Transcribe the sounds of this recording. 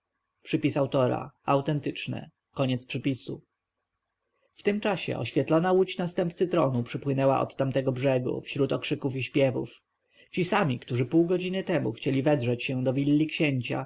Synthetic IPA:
ʂɘpʲisawt̪ɔɾa̰awt̪ɛnt̪ɘt͡ʂnɛ̰ | kɔɲɛt̪spʂɘpʲisu | ft̪ɘmt͡ʂaɕɛ̰ʔɔ̰ɕfʲjɛt̪lɔnawut͡ɕnast̪ɛmpt̪sɘt̪ɾɔnupʂɘpwɘnɛwa̰ʔɔ̰t̪ːamt̪ɛɡɔbʐɛɡṵfɕɾut̪ɔkʂɘkufiɕpʲjɛvṵf | t͡ɕisamʲikt̪uʐɘpuwɡɔd͡ʑinɘt̪ɛmuxt͡ɕelʲivɛd̪ʐɛt͡ɕɕɛ̃d̪ɔvʲilːikɕeɲt͡ɕa̰

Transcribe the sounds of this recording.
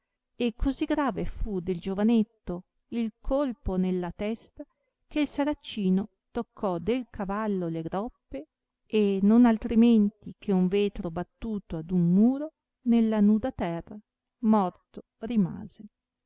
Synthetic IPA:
ekʰːoziɡɾaːvefud̪eld͡ʒovanet̪ːo | ilkʰolponelːat̪ɛst̪a | keilsaɾat͡ʃːiːno | t̪okʰːɔd̪elkavalːoleɡɾɔpːe | enonalt̪ɾiment̪ikʰeuɱveːt̪ɾobat̪ːuːt̪oad̪unmuːɾo | nelːanuːd̪at̪ɛrːa | mɔrt̪o | rima̰ːze

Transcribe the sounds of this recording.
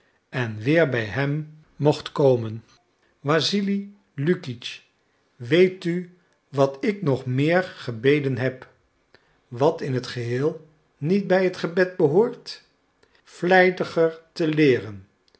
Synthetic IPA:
ɛnʋɪːɹbɛjɦɛmː | ɔχtkowmən | ʋaːzili | lykit͡ʃ | ʋejty | ʋɑtɪknɔχmɪːɹχəbejdənɦɛp | ʋɑtɪnɦətχəɦɪːlˠ | nit̚bɛjɦətχəbɛd̚bəɦoːɹt | flɛjdəχəɹtəlɪːrən

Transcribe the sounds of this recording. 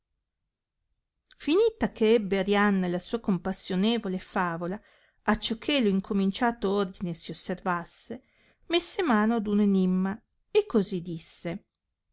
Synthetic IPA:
finiːt̪akʰeɛbːeaɾjanːalasuːakompasːjoneːvolefaːvola | at͡ʃːokʰːeloiŋkʰomint͡ʃaːt̪oord̪inesiosːervasːe | mesːemaːnoad̪unenimːa | ekːozid̪isːe

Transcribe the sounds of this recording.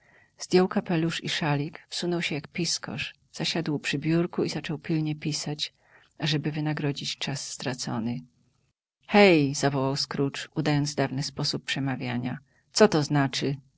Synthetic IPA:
z̥d̪ʲjɔwkapɛluʂiʂalʲikfsunɔwɕɛjakpʲiskɔ̰ʂ | z̥aɕad̪wpʂɘbʲjuɾkuizat͡ʂɔwpʲilɲɛpʲisat͡ɕ | aʐɛbɘvɘnaɡɾɔd͡ʑit͡ɕt͡ʂasːt̪ɾat̪sɔ̰nɘ | xɛjzavɔwawskɾut͡ʂud̪ajɔnd̪zd̪avnɘspɔsuppʂɛmavʲjaɲa | t̪sɔt̪ɔznat͡ʂɘ

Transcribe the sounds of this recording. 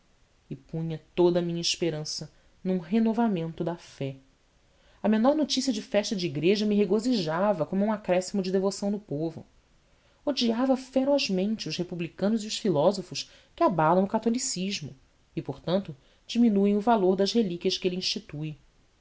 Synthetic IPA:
ɪpũɲɐt̪od̪ɐmĩɲɐiʃpeɾɐ̃sɐ | nũɦenovamẽnt̪ʊd̪ɐfɛ | ɐmenɔɾnot͡ʃisiɐd͡ʒɪfɛʃt̪ɐd͡ʒɪiɡɾeʒɐmɪɦeɡoziʒavɐkõmʊũakɾɛsimʊd͡ʒɪd̪evosɐ̃w̃d̪ʊpovʊ̰ | od͡ʒiavɐfeɾɔʒmẽnt͡ʃɪʊʃhepublikɐ̃nʊziʊʃfilɔzofʊʃ | kɪabalɐ̃w̃ʊkat̪olisiʒmʊ | ɪpoɾt̪ɐ̃nt̪ʊ | d͡ʒiminuẽj̃ʊvaloɾd̪ɐʃhelikʲiɐʃkɪelĩʃt͡ʃit̪uj

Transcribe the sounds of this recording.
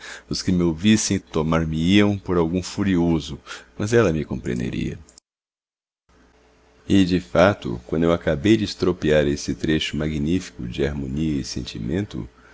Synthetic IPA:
ʊskɪmowvisẽj̃t̪omaɾmɪiɐ̃w̃poɾawɡũfuɾiozʊmɐzɛlɐmɪkõmpɾẽnd̪ḛɾḭɐ̰ | ɪd͡ʒɪfat̪ʊ̰kwɐ̃nd̪ʊewakabejd͡ʒɪɪst̪ɾopiaɾesɪt̪ɾeʃʊmaɡinifi̥kʊ̰d͡ʒɪaɾmõniɐɪsḛ̃nt͡ʃimẽnt̪ʊ̰

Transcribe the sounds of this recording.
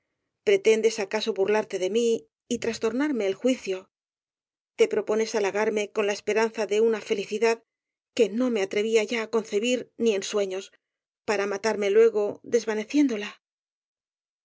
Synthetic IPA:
pɾe̞t̪e̞nd̪e̞sakaso̞βuɾlaɾt̪e̞ðe̞miː | t̪ɾast̪o̞ɾnaɾme̞ːlxwiθjo̞ | t̪e̞pɾo̞po̞ne̞salaɣaɾme̞ko̞nlaespe̞ɾan̟θaðe̞unafe̞liθiðað | ke̞no̞me̞at̪ɾe̞β̞iaʝaːko̞nθe̞βiɾnie̞nswe̞ɲo̞s | paɾamat̪aɾme̞lwe̞ɣo̞ðe̞zβane̞θje̞nd̪o̞la

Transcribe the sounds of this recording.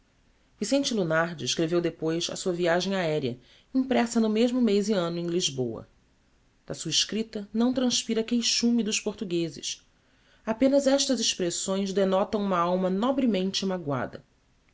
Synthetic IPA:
visẽnt͡ʃɪlunaɾd͡ʒɪɪʃkɾevewd̪epojsɐ̰suɐviaʒẽj̃aɛɾiɐ̰ | ĩpɾɛsɐnʊmeʒmʊmejziɐ̃nʊẽj̃liʒbowɐ̰ | d̪̥ɐsuɐiʃkɾit̪ɐnɐ̃w̃t̪ɾɐ̃ʃpiɾɐkejʃũmid̪ʊʃpoɾt̪uɡezɪ̰s | apẽnɐzɛʃt̪ɐzɪʃpɾesõj̃zd̪enɔt̪ɐ̃w̃ũmɐawmɐnɔbɾimẽnt͡ʃɪimaɡwa̰d̪ɐ̰

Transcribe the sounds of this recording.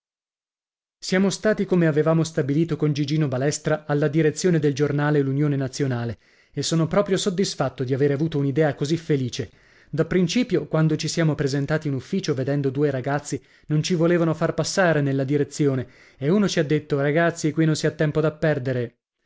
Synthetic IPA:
sjaːmost̪aːt̪ikomeavevaːmost̪abiliːt̪okond͡ʒid͡ʒiːnobalɛst̪ɾaalːad̪iɾet̪sːjoːned̪eld͡ʒornaːlelunjoːnenat̪sːjonaːle | esːoːnopɾɔːpɾjosod̪ːisfat̪ːod̪iaveːɾeavuːt̪ounid̪ɛːakozifeliːt͡ʃe | d̪apːɾint͡ʃiːpjokwand̪ot͡ʃisjaːmopɾezent̪aːt̪iunufːiːt͡ʃoved̪ɛnd̪od̪uːeɾaɡat̪sːi | nont͡ʃivoleːvanofarpasːaːɾenelːad̪iɾet̪sːjoːne | euːnot͡ʃiad̪ːet̪ːoɾaɡat̪sːikwinõnsiat̪ːɛmpod̪apːɛrd̪eɾe

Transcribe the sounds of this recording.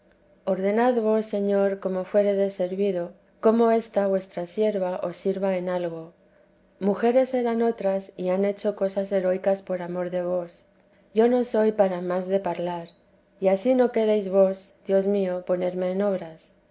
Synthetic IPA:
o̞ɾðe̞naðβo̞sːe̞ɲo̞ɾko̞mo̞fwe̞ɾeðe̞se̞ɾβiðo̞ | ko̞mo̞e̞st̪aβwe̞st̪ɾasje̞ɾβaʔo̞sːiɾβae̞nalɣo̞ | muxe̞ɾe̞se̞ɾano̞t̪ɾasiane̞t͡ʃo̞ko̞sase̞ɾo̞jkaspo̞ɾamo̞ɾðe̞β̞o̞s | ʝo̞no̞so̞jpaɾamazðe̞paɾlaɾ | iasino̞ke̞ɾejzβo̞sd̪jo̞zmio̞po̞ne̞ɾme̞ːno̞βɾas

